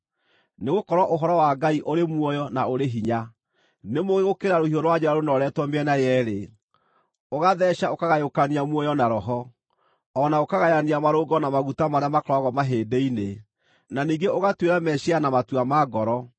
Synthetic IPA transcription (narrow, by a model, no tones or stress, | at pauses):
neɣokɔɾwɔʔoɦɔɾɔwaɡaiʔoɾemwɔjɔnaoɾeɦiɲa | nemoɣeɣokeɾaɾohiɔɾwad͡ʑɛɾaɾonɔɾɛtwɔmɛnajɛɾe | oɣaðɛʃaokaɣajokaniamwɔjɔnaɾɔɦɔ | ɔnaokaɣajaniamaɾoɡɔnamaɣutamaɾeamakɾɔɣɔmaɦeːdeine | naniːɡeoɣatweɾamɛʃianamatuamaɡɔɾɔ